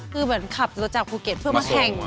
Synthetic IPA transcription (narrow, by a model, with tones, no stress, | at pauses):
kʰɯː˧mɯ˩˦ənkʰa˨˩p̚t͡ɕa˨˩luː˧t͡ɕaː˨˩k̚pʰuː˧˩ke˨˩t̪̚pʰɯ˥˩əmaː˥˩kʰɛ˧˩ŋ